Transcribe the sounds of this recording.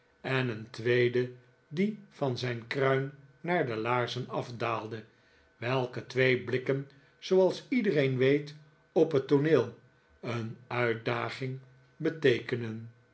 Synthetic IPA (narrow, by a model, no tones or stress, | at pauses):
ɛnəntʋejdə | difɑnzɛjnkrœɥnːaːɹdəlaːɹzənɑfdaːlˠdə | ʋɛlˠkətʋejblɪkən | z̥owɑlˠsidərejnʋejt | ɔpɦətoneːlˠ | ənœɥt̚daːχɪŋ | bətejkənən